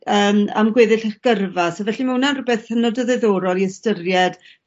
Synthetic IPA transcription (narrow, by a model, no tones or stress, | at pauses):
əːma̰mɡweðɨɬəχɡ̥ərvasɔvɛɬimɛwnanrʊbɛθhənɔdəðɛðɔːɾɔlˠiəstərjɛd̥